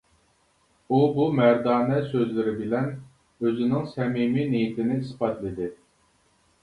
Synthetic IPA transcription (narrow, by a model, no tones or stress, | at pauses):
ubumæɾd̪ɑːnɛsøzlɪɾɪbɪlɛn | øzɪnɪŋsɛmiminijit̪ʰɪnɪispɑt̪lˠɪd̪ɪ